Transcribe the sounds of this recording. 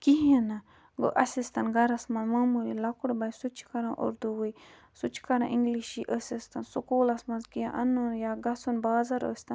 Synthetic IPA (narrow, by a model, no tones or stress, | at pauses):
kiɦɐnɐ | ɡo̰ʔɐsist̪ɐnɡɐɾɐsmɐnmaːmulilɐkuɽbɐjsut͡ʃʰkɐɾãʔo̰ɾd̪uwuj | sut͡ʃʰkɐɾɐ̃ʔĩŋɡliʃiʔəsist̪ɐnsukoːlɐsmɐnzkiãʔɐnːunjaːɡɐsunbaːzɐɾo̰sʲt̪ɐ